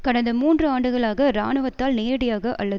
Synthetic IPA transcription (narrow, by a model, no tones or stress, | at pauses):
kɐɽɐnd̪ɐmuːndrɯaːɳɖɯɣɐɭaːɣɐɾa̰ːɳɯʋɐt̪ːaːlneːɐɽɪjaːɣɐʔɐ̰lːɐðɯ